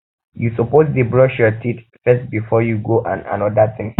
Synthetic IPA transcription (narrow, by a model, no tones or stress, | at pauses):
jusɔpozdebɹɔʃjɔtʰit | fɛst̚bifɔjuɡoʔã̰nã̰nɔdaθɪ̃ŋ